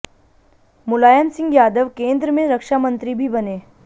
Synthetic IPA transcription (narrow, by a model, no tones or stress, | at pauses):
mʊlaːjənsɪ̃ŋɡjaːd̪əʋkẽːnd̪ɾəmẽɾɐkʃamə̃nt̪ɾibʱibɐneː